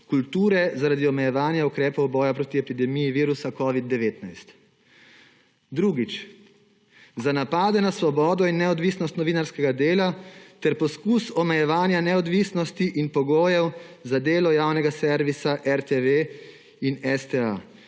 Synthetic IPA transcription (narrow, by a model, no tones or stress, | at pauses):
kult̪uːɾɛzaɾad̪iɔmɛjɛʋaːnjaukɾɛːpɔwbɔːjapɾoːt̪iɛpid̪ɛmiːjiʋiːɾusakɔːʋid̪̚d̪ːɛʋeːt̪najst̪ | d̪ɾuːɡit͡ʃ | zanapaːd̪ɛnasʋɔbɔːd̪ɔinːɛɔd̪ʋisnɔst̪nɔʋinaɾskɛɡad̪eːlat̪ɛɾpɔskusɔmɛjɛʋaːnjanɛɔd̪ʋisnɔst̪iʔinpɔɡoːjɛwzad̪eːlɔjaːwnɛɡasɛɾʋisaʔɛɾt̪eʋe | inɛst̪ea̰